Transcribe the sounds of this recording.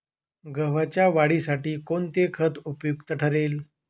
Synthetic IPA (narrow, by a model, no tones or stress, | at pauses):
ɡəʋ̤at͡ɕjaʋaɽiːsaʈiːkont̪ekʰət̪upjukt̪əʈʰəɾel